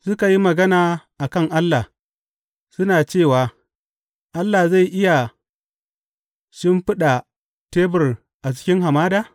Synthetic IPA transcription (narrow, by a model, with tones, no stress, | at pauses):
sʊ˦ka˨ji˦mɐ˨ɡɐ˦naː˨ʔa˨kɐ˦˨ŋʔa˦lːa˨ | sʊ˦naː˨t͡ʃeː˦˨waː˨ | ʔa˦lːa˨za˦˨jʔɪ˦ja˨ | ʃɪ˦mɸɪ˦ɗa˨ | teː˦bɪ˨r | ʔa˨t͡ʃɪ̥˦kʲɪ˦ŋɦa˨maː˦daː˦˨